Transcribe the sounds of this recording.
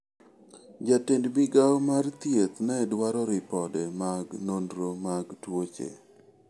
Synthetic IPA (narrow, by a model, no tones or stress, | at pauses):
d͡ʒatendbɪɡawɔmart̪jet̪nɛdwaɾɔɾɪpɔdɛmaɡnondɾomaɡtwot͡ʃḛ